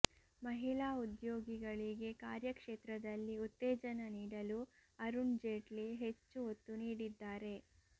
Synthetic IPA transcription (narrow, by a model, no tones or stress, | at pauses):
mɐɦilaːud̪joːɡiɡɐɭiɡe̞kaːɾjɐkʂeːt̪ɾɐd̪ɐlːiut̪ːeːd͡ʒɐnɐniːɽɐluɐɾund͡ʒeːʈliɦet͡ʃːuot̪ːuniːɽid̪ːaːɾe̞